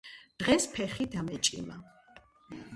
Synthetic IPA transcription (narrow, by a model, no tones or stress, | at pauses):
d̪̥ʁɛspʰɛχid̪amɛt͡ʃʼḭma̰